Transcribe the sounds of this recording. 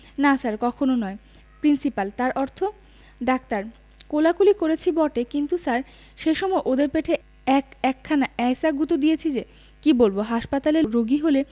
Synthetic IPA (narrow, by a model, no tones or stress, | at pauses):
nasaɾkɔkʰononɔe | pɾinsipalt̪aɾʔɔɾt̪ʰo | ɖak̚t̪aɾ | kolakulikoɾet͡ɕʰibɔʈekint̪usaɾ | ʃeʃɔmɔeʔod̪eɾpeʈʰe | ɛkɛkʰːanaɛjsaɡut̪od̪ijet͡ɕʰid͡ʑe | kibolboɦaʃpat̪aleɾoɡiɦole